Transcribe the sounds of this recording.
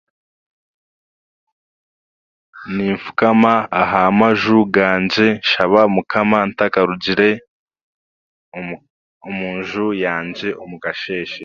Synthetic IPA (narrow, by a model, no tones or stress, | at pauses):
niːɱfu̥kamaaɦaːmaʒuɡaːɲɟe̞ʃaβamukʰamantakaɾuɟiɾe̞ | omuːɲʒujaːɲɟe̞ʔomukaʃe̞ːʃe